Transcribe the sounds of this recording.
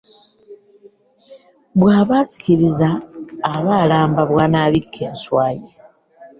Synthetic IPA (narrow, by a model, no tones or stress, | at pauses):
βwaːβat͡si̥kiɾizaː | βalaːmbaβwanaβikʰːeːnswaːje